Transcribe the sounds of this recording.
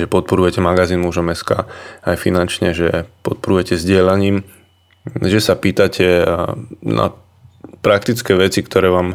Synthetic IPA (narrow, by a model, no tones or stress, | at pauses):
ʒɛpɔt̪̚pɔɾujɛcɛmaɡaziːnmuːʒɔmɛska̰ːajfinant͡ʃɲɛʒɛpɔt̪̚pɔɾujɛcɛzɟɪɛlaɲiːm | ʒɛsapiːt̪acʰɛ | na̰ | pɾak̚t̪it͡skɛːʋɛt͡sikt̪ʰɔɾɛːʋaːm